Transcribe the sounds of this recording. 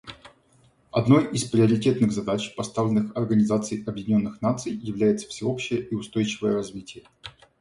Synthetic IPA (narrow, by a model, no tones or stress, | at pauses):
ɐd̪no̞jispɾʲɪəɾʲɪtʲe̞t̪nɨɣzɐd̪at͡ɕpɐst̪avlʲɪnːɨxɐrɡənʲɪzat̪sɨjʔɐbjɪdʲɪnʲo̞nːɨxnat̪sɨjjɪvlʲæjɪt̪sə̥fsʲɪo̞pɕːɪjəʔiʊst̪o̞jt͡ɕɪvəjəɾɐzvʲitʲɪjə